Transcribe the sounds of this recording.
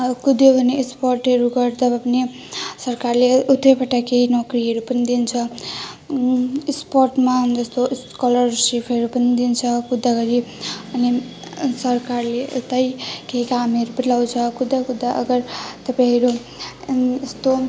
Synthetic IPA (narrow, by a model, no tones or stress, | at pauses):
kud̪jobʱʌneːsporʈɦʌɾuɡʌɾd̪ʌbapʌne | sʌrkarleut̪ːʌpaʈakeɦinʌkriɦʌɾupʌnid̪int͡sʰʌ | isporʈmad͡zʌst̪o | kʌlʌrsipʰʌɾupʌnid̪int͡sʰʌkud̪ːaɡʌɾiʌni | sʌrkarleut̪ʌjkeɦikamʌɾupʌnilawt͡sʰʌkud̪ːakud̪ːaʔʌɡʌrt̪ʌpaj̃ɦʌɾu | est̪o